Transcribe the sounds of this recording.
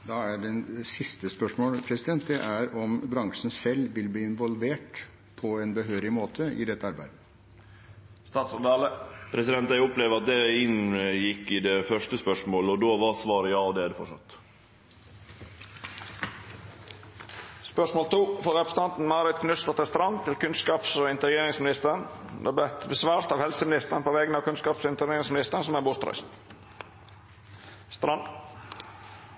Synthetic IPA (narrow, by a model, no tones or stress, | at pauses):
d̪ɑːæɖɛnsɪst̪əspœʂmoːlpʰɾɛsɪd̪ɛnt̪̚d̪ɛʔæɾɔmbɾɑŋʂn̩sɛlʋɪlb̪iːɪnʋɔlʋeːʈ | pʰɔɛnbəɦøːɾɪmoːt̪ʰəʔɪ̰d̪ɛt̪ːəɑɾbæɪd̪ə | st̪ɑːt̪sɔɑːləpʰɾɛsɪd̪ɛnt̪d̪æɪʊpleːʋəɾɑt̪̚d̪ɛɪnjɪkːɪd̪ɛfœʂʈəspœʂmoːlɔd̪oːʋɑsʋɑːɾəjɑːɔd̪ɛːd̪ɛfɔʂɑ̰t̪ː | spœʂmoːlt̪ʰuːfɔɾɛpɾəst̪ɑnt̪n̩mɑːɾɪd̪kʰnʉst̪ɑt̪ɛst̪ɾɑnt̪ʰɪlkʉnskɑːpsɔɪnt̪əɾɡeːɾɪŋsmɪnɪst̪əɾnd̪ɛ̰ːbɛt̪bəsʋɑːɾt̪ɑʋhɛlsəmɪnɪst̪əɾnpʰoːʋɛɡənəɑːʋkʉnskɑːpsɪnt̪əɾeːɾɪŋsmɪnɪst̪əɾnsɔmæbust̪ɾœ̰s | st̪ɾɑn